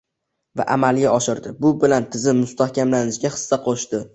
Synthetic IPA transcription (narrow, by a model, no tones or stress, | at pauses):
va̰ʔamalˠɡʲaɒʃɪɾd̪ɪbʊbɪlant̪ʰɪzɪmːʊst̪ahkʲʰamlanɪʃɡʲaχɨ̥sːaqʰoʃd̪ɪ